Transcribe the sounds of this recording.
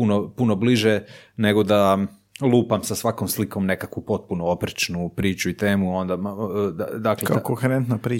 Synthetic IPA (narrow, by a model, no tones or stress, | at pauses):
punopuno̞bliʒene̞ɡo̞d̪a | lˠuːpamsasʋakomsliko̞mne̞kakʋupo̞t̪̚punoopɾet͡ʃnupɾiːt͡ʃuit̪eːmuo̞nd̪ad̪ad̪aklekaokoxeɾent̪napɾiː